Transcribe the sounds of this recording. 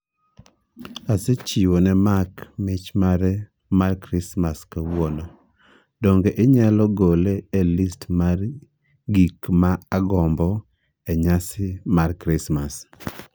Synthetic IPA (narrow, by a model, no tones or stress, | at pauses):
aset͡ʃiwonɛmakmɪt͡ʃmaɾɛ | markɾɪsmaskawwɔnɔ | dɔŋɡeʔɪɲalɔɡoleelistmar | ɡikmaaɡɔmbɔ | eɲasɪmarkɾɪsmas